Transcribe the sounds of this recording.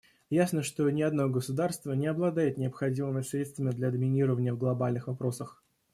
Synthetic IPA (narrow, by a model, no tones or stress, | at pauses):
jasnəʂt̪o̞nʲɪɐd̪noɡəsʊd̪arst̪vənʲɪɐblˠɐd̪ajɪt̪nʲɪəpxɐdʲimɨmʲɪsɾʲet̪st̪vəmʲɪd̪lʲad̪əmʲɪnʲiɾəvənʲɪjəvɡlˠɐbalʲnɨxvɐpɾo̞səx